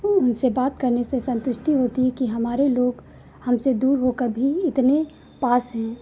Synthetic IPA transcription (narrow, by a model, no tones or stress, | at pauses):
ʊnsebaːt̪̚kɐɾnesesɐ̃nt̪ʊʃʈiɦoːt̪iɦɛkiɦɐmaːɾeloːɡ | hɐmsed̪uːɾɦoːkəɾbʱiɪt̪ne | paːsɦɛ̃ː